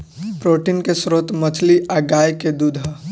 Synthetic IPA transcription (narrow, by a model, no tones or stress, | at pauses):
pɾoːʈinkesɾoːt̪mɐt͡ʃʰliʔaɡaːjked̪uːd̪ʱɦə